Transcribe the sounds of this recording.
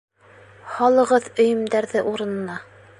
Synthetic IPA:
hɑlˠɤ̆ʁɤðɵ̆jɵ̆md̪æɾðɘʔuɾɤ̆nɤ̆nɑ

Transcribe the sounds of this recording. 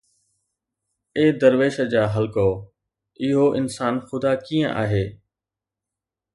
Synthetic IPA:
eːd̪əɾʋeːʃəd͡ʑaːɦəlkooː | ɪɦoːʔɪnsaːnxʊd̪aːkiːə̃ʔa̰ːɦeː

